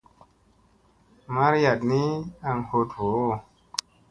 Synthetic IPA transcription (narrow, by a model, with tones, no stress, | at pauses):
ma˦ɾja˨t̚ni˦a˧ŋho˧t̚ho˨˦˨